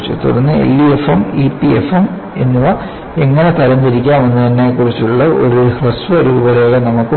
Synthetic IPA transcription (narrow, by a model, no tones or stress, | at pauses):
t͡ɕːɨ̰t̪ṵrɐnːɨḛlːiefɐmipːiefɐm | e̞nːuʋɐ | e̞ŋːɐɳet̪ɐɾɐnd̪ɐɾikʲːaːmʋenːɨt̪ɐnːeːkːurit͡ɕːuɭːɐo̰ɾuhrɐsʋɐɾuːbɐɾoːɣɐnɐmukːɨ